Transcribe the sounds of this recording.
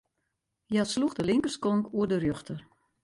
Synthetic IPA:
jasluxdəlɪŋkərskoŋkuədərjøxtər

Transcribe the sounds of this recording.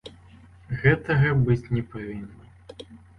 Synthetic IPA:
ɣɛt̪ɐɣɐbɨt͡sʲnʲɛpavʲinːɐ

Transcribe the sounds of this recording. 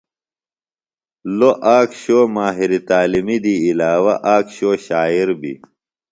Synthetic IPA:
loʔaːkɕoːmaːɦiɾit̪aːlimid̪iːlaːwɐʔaːkɕoːɕaːiɾbḭ

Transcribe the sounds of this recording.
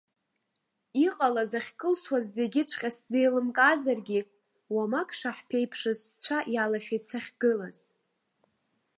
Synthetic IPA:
iqʼalazaχʲkʼɨlswazːe̞ɡʲɪt͡ʃʷʰʼqʲʼasd͡zejlɨmkʼazarɡʲi | wamakʰʼʂaħpʰe̞jpʰʂɨzt͡ɕʷʰaʔjalaʃᶣajt͡sʰaχʲɡ̥ɨlaz̥

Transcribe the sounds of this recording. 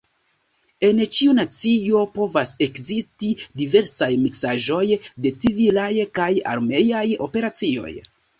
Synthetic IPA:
e̞nt͡ʃiunat͡sio̞po̞vase̞kzistidive̞ɾsajmiksaʒo̞jde̞t͡sivilajkaja̰ɾme̞jajo̞̰pe̞ɾat͡sio̞̰j

